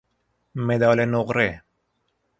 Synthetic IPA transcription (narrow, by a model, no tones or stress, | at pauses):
med̪aːlenoqɾe